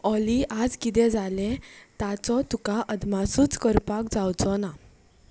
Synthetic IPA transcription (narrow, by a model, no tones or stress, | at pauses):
ɔliʔad͡zkit̪̬ɛ̃d͡zalet̪at͡sɔt̪ukaʔəd̪masuːt͡skəɾpakd͡zawt͡sɔna